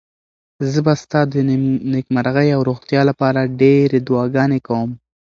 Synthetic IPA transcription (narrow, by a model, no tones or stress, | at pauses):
zəbast̪ɑd̪ənɪkmaɾaɣəjawɾoxt̪jɑlapɑɾaɖeɾed̪uwɑɡɑnekawəm